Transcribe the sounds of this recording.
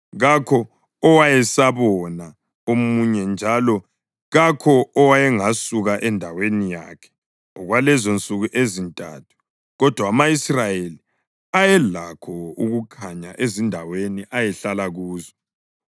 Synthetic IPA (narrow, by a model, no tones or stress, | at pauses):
ɣakʰɔː | wajɛsaβɔna | omuɲɛnd͡ʒʱalɔ | ɣakʰɔːwajɛŋasuɣaʔɛndʱawenija̰kʰɛ̥ | ɔɣwalɛzont͡sʼuɣuʔezintʼa̰ːtʰu̥ | ɣɔd̥ʱwaːmaisrajeli | ajɛlakʰɔuɣukʰaɲaʔezindʱaweniʔajɛɬalaɣuːzɔ